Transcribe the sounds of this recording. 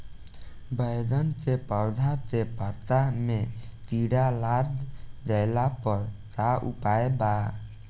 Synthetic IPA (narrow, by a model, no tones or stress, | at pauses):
bəjd̪ənsepəwd̪ʱat̪epəɾt̪amet̪iɽalaɾd̪d͡ʒəɪlapəɾt͡ʃaʔṵpaeba